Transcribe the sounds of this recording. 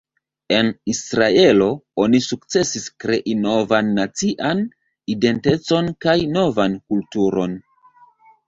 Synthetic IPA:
e̞nisɾae̞lo̞o̞nisuk̚t͡se̞siskɾe̞ʔino̞vanːat͡siʔan | ide̞nte̞t͡so̞nkajno̞vankultuɾo̞̰n

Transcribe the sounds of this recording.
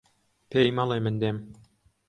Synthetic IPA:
pejmɑlˠɤmɘ̆nd̪em

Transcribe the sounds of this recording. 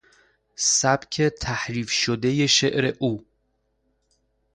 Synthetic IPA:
sæbcʲʰet̪ʰæhɾiːfʃod̪ejeʃeʔɾeʔuː

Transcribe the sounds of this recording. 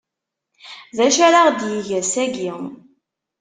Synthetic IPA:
ðæʃæɾaʁd̪jiʝæsæɡi

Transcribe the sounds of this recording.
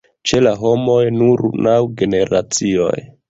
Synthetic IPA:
t͡ʃe̞laɦo̞mo̞jnuɾnawɡe̞ne̞ɾat͡sio̞̰j

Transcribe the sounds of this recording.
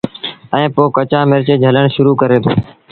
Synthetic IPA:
ɛ̃ːpoːkət͡ʃãːmɪɾt͡ʃeːd͡ʒʱələɳʃʊɾuːkəɾeːt̪ʰoː

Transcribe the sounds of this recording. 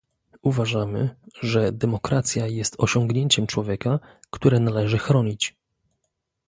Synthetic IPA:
uvaʐamɘʐɛd̪ɛmɔkɾat̪sʲjajɛst̪ɔɕɔŋɡɲeɲt͡ɕɛmt͡ʂwɔvʲjɛkakt̪uɾɛnalɛʐɘxɾɔɲit͡ɕ

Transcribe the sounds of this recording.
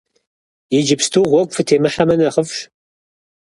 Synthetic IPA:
jɪd͡ʒɪpstʰuʁʷɔkʷʼfɨtʰeːmɨħamɐnɐχəfʃ

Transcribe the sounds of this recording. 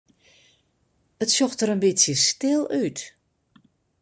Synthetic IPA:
ətsɔxtəɾənbɪtsjəstɪlˠœt

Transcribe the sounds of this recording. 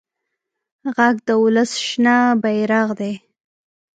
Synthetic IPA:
ɣaɡd̪əwʊləsʃnabajɾɑɣd̪e

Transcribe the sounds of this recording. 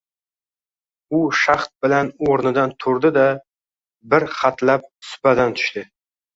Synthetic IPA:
ʊʃaχt̪̚bɪlanoɾnɪd̪ant̪ʰʊɾd̪ɪd̪a | bɪɾχat̪lap̚sʊ̥pad̪ant̪ʰʊ̥ʃt̪ɪ

